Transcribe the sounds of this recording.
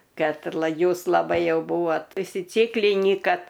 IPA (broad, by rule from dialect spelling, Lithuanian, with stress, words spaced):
ˈkɐt ˈjuːs lˠɐˈbɐɪ ˈjɛʊ ˈbuːʋoːt ʊʃʲsʲɪˈt͡sʲiːklʲɪnʲiː ˈkɐt